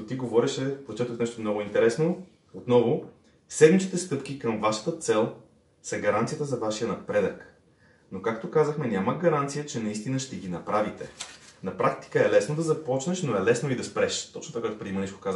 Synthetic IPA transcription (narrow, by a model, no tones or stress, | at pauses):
ot̪iɡovɔɾɛʃɛpɾot͡ʃɛt̪əfnɛʃt̪omnɔɡʊint̪ɛɾɛsno | ot̪nɔvo | sɛd̪mit͡ʃ̪it̪ɛst̪ɤpk̟ikəmvaʃə̥t̪ət̪sɛlˠ | sɐɡɐɾant̪ijət̪əzɐvaʃijənɐpɾɛd̪ək | nokakt̪okazəxmɛnʲaməɡɐɾant̪sijət͡ʃɛnɐist̪inəʃt̪ɛɡʲinɐpɾavit̪ɛnɐpɾakt̪i̥kəɛlɛsnod̪ɐzɐpɔt͡ʃnɛʃnoɛlɛsnoid̪ɐspɾɛʃt̪ɔt͡ʃnot̪fakɡat̪opɾɛd̪imɐniʃko̥kazə